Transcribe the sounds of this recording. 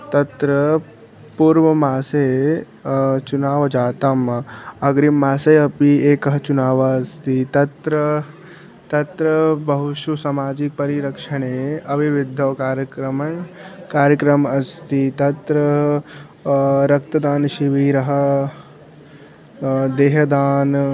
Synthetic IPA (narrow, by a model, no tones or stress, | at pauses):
t̪ɐt̪ɾɐ | puːɾʋɐmaːseː | t͡ʃunaːʋɐd͡ʒaːt̪ɐmɐɡɾimːaːseːɐpieːkɐɦɐt͡ʃunaːʋɐɐst̪ʰit̪ɐt̪ɾɐ | t̪ɐt̪ɾɐbɐɦuʃusɐmaːd͡ʒik̚pɐɾiɾɐkʂɐɳeːɐʋiʋid̪ʱːɐʋkaːɾjɐkɾɐmɐɳkaːɾjəkɾɐmɐst̪it̪ɐt̪ɾɐ | ɾɐk̚t̪ɐd̪aːnʃiʋiːɾɐɦɐ̆ | d̪eːɦɐd̪aːn